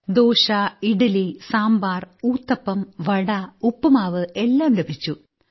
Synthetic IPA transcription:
d̪oːɕaiɽɐlisaːmbaːruːt̪ːɐpːɐmʋɐɽɐupːɐmaːʋɨelːaːmlɐbʱit͡ɕːu

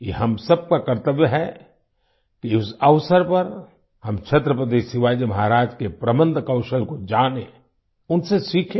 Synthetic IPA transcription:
jḛɦɐmsɐb̚kakɐɾt̪əʋjəɦɛ | kiʊsɐʋsəɾpɐɾ | hɐmt͡ʃʰɐt̪ɾəpɾəd̪eːʃɪʋaːd͡ʒəmɐɦaɾaːd͡ʒkepɾɐbə̃nd̪ʱkɐʊʃəlkod͡ʒaːne | ʊnsesiːkʰẽ

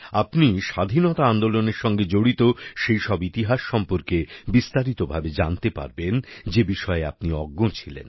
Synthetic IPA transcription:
apniʃad̪ʱinɔt̪aand̪oloneɾʃɔŋɡed͡ʑoɽit̪oʃejʃɔbit̪iɦaʃːɔmpoɾkebist̪aɾit̪obʱabed͡ʑant̪epa̰ɾbend͡ʑebiʃɔeap̚niɔɡːot͡ɕʰilḛn

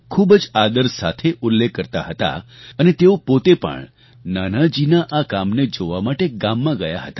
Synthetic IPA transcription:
kʰubəd͡ʒad̪əɾsa̰t̪ʰeʔʊlːekːəɾt̪a̰ɦət̪a̰ənet̪eopot̪epə̰ɳ | nanad͡ʒinaʔakamned͡ʒoʋamaʈeɡamːãɡəjaɦət̪ḁ

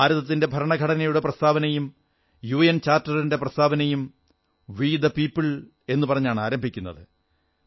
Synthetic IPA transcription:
aːɾɐðɐt̪̬ːinde̞bʱɐɾɐɳɐɡʱɐɽɐnɐjuɽe̞prɐst̪ʰaːbɐnɐjum | juːent͡ɕaːrtːɐrinde̞prɐst̪ʰaːbɐnɐjum | ʋiːd̪ɐpiːpːɨɭ | e̞nːupɐrɐɲːaːɳaːɾɐmbʱikʲːunːɐ̰ðɨ

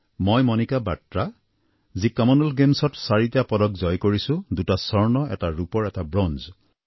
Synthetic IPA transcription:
mojmɔnikaba̰tɹa | zikamɔnɔlɡemsɔtsaɹitijapɔdɔk̚zɔjkoɹisʊ̃dutasɔɹnɔɛ̰taɹupɔɹɛtabɹɔnz

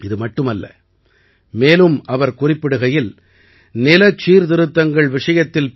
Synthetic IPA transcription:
ɪðɯmɐʈːɯmɐlːɐ̰ | meːlɯmɐʋɐɾkʊrɪpːɪɽɯɣɐjɪl | nɪlɐt͡ʃːiːɾðɪɾɯt̪ːɐŋɡɐɭʋɪʂɐjɐt̪ːɪl

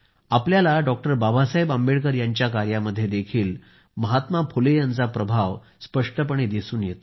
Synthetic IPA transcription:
apljalaɖɔk̚ʈəɾbabasaɦebəmbeɭkəɾjaɲt͡ɕjakaɾjaməd̪ʱːjed̪ekʰiːl | məɦat̪mapʰolejant͡sapɾəbʱaʋ | spəʂʈəp̬əɳ̃id̪isuːnjet̪o

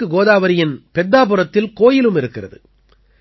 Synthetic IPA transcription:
ɯɡoːðaːʋɐɾɪjɪnpɛd̪ːaːp̬ɯrɐt̪ːɪlkoːjɪlɯmɪɾɯkːɪrɐ̰ðɯ̰

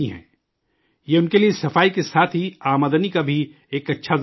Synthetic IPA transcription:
iɦɛ̰̃ː | jeʊnkeliesɐfaːikesaːt̪ʰɦiaːmaːd̪ənikabʱi | eːkɐtːʃʰaz

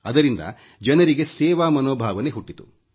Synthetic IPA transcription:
ɐd̪ɐɾind̪ɐ̰ | d͡ʒɐnɐɾiɡe̞sɛːʋaːmɐnoːbʱaːʋɐne̞ɦuʈːit̪ṵ

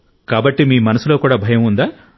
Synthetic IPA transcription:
kaːbɐʈːimiːmɐnɐsulo̞ːkuːɽaːbʱɐjɐmund̪aː

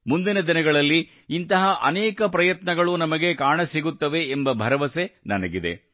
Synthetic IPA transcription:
mund̪inɐd̪inɐɡɐɭɐlːiː | nt̪ɐɦɐʔɐ̰nɛːkɐpɾɐjɐt̪nɐɡɐɭunɐmɐɡe̞kaːɳɐsiɡut̪ːɐʋe̞ːmbɐbʱɐɾɐʋɐse̞nɐnɐɡid̪ḛ

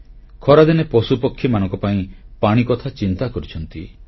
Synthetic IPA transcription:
kʰɔɾad̪inepɔsupɔkʰːjimanɔ̃ŋkɔpaĩpaɽ̃ikɔt̪ʰat͡ʃint̪akɔɾit͡ʃʰɔnt̪ḭ

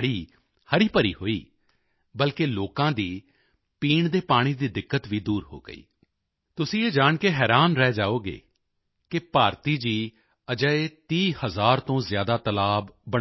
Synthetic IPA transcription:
ɽiː | həɾiːpəɾḭːɦoːiː | bəlkeːloːkãːd̪iː | piːɳd̪eːpaːɽ̃iːd̪iːd̪ɪkːət̪ʋiːd̪uːɾɦo̰ːɡə̰ḭː | t̪ʊsĩːeːd͡ʒaːɳkeːɦɛːɾaːnɾɛːd͡ʒaːoːɡḛː | kɪpaːɾt̪iːd͡ʒiː | əd͡ʒəet̪iːhəzaːɾt̪õːzɪjaːd̪aːt̪əlaːbːəɽ

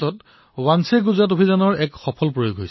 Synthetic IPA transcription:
ɔt | wanseɡuzatobʱizanɔɹɛkxɔpʰɔlpɹojoɡʱɦojs

